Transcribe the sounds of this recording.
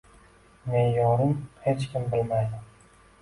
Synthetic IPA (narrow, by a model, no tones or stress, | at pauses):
me̞njɒɾɪmhe̞t͡ʃkʲɪmbɪlmajd̪ɪm